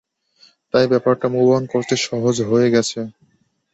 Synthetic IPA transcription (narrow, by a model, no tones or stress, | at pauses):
t̪ajbɛpaɾʈamubankoɾt̪eʃɔɦod͡ʑɦoeɡɛt͡ɕʰe